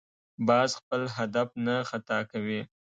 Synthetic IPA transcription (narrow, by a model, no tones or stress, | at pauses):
bɑzxpəlɦad̪afnaxat̪ɑkawi